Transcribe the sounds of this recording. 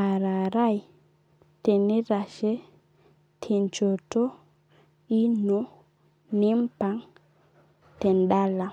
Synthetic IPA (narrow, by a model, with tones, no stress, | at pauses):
a˨ɾa˨ɾa˦˨j | te˨ni˦ɾa˨ʃɛ˦ | tʰi˨nt͡ʃo˨to˦ | i˦nɔ˦ | ni˦mpa˦ŋ | tɛ˨nɗa˦la˨